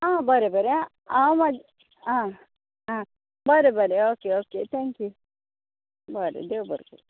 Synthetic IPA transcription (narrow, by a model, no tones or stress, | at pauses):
ãːbɐɾebɐɾeã | amɐ | ã | ãː | bɐɾebɐɾeoːkeoːket̪ʰɛŋkju | bɐɾḛd̪ewbɐɾkṵl